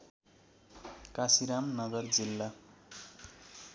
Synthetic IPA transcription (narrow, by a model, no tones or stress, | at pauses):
kasiɾamnʌɡʌrd͡zilːa